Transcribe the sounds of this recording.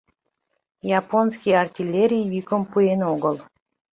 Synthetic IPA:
jɑponskʲijɑrtʲilʲːeɾʲijːykəmpuenoɡəlˠ

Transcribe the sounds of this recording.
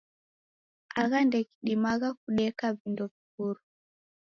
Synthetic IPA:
aɣandɛki̥ɗimaɣak̚uɗɛkavindɔvikuɾu

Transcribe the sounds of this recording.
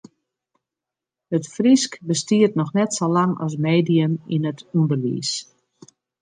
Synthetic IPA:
hətfriskbəstiərtnɔxnɛtsolaŋɔ̰s̬meːdijənḭnətundərʋḭːs

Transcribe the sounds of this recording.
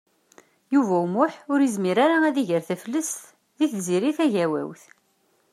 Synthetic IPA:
juvæumʊħʊɾizmiɾaɾaæðiʝəɾθæflːəsθ | ðiθziɾiθæʝæwæ̰wθ

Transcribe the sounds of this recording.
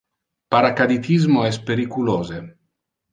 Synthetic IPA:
paɾakad̪it̪izmoɛspeɾikuloːze

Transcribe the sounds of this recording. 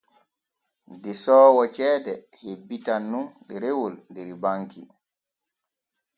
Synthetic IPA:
dɛsɔːwɔt͡ʃɛːdɛ | hebːitanːundɛɾewolndɛɾibaŋkḭ

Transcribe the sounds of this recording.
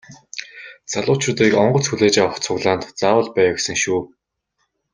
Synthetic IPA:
t͡saɮʊːt͡ɕʊːt̪iːkɔɴɢɞ̆t͡sxuɮeːt͡ɕawə̆χt͡sʰʊɣɮaːnt̪t͡saːwə̆ɮpæːwəksə̆ŋʃuː

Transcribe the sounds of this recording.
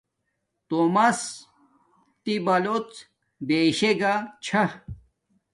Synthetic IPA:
t̪omɐs | t̪ibɐlot͡s | beɕeɡat͡ɕʰɐ

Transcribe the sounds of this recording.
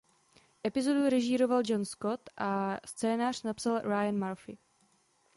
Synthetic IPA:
ʔɛpɪzo̞duɾɛʒɪɾo̞vald͡ʒonskot̪ʔast͡sɛːnaːr̝̥napsalɾajanmaɾfɪ̰

